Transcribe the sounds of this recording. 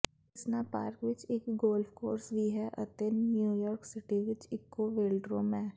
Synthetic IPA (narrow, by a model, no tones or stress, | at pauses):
ɪsnapa̰ːɾkʋɪt͡ʃekɡoːlfkoːɾsbʱiɦɛʔɐt̪ɪnːjuːjɔːɾksɪʈiʋɪt͡ʃɪkːoʋeːlɖɾoːmɛ̃ː